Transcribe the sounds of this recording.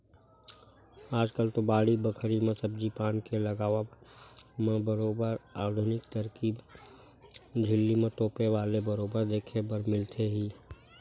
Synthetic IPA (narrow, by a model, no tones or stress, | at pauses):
aːd͡ʒkəlt̪obaːɽibəkʰɾimẽsəb̚d͡ʒipaːnkeləɡaːʋa | mẽbəɾoːbəɾaːɾd̪ʱnɪkt̪əɾkiːb | d͡ʒʱɪlːimẽt̪oːpeʋaːlebəɾoːbəɾd̪eːkʰebəɾmɪlt̪ʰeɦiː